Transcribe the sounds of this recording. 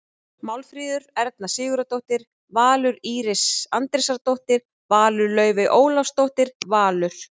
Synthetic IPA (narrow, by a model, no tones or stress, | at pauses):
mawlfɾiːðʏɾɛɾt̪̚nasɪːɣʏɾat̪owht̪ɪɾ̥ | vaːlʏɾiːɾɪsant̪ɾɪsaɾt̪owht̪ɪɾ̥ | vaːlʏɾlœːɥvɪʔoːwlafst̪owht̪ɪɾ̥vaːlʏɾ̥